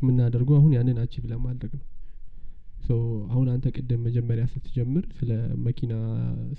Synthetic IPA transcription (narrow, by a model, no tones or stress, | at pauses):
mːɨnːad̪əɾɡowahunjanːɨnat͡ʃːɪbɨlamad̪ɾəɡəw | səwahunant̪ʰəkʼəd̪ːɨmːəd͡ʒɛmːəɾjasɨt̪ʰɨd͡ʒɛmːɨɾsɨləməkʰina